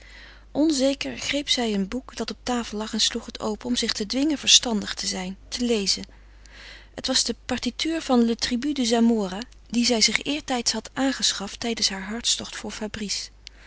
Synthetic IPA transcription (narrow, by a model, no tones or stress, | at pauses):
ʔɔnzejkəɹχrejpsɛjənbukdɑtɔp̚taːfəlˠlɑχɛnsluχɦətʰo̰wpəɔmzɪχtədʋɪŋəvəɹstɑndəχtəzɛjntʰəlejzən | ətʋɑzdəpɑɹtitʰyːɹvɑndətribydəzamoːra | dizɛjzɪχɪːɹtɛjtsɦɑtʔaːnχəsχɑftɛjdənsɦaːɹɦɑɹtstɔχtfʊːɹfabris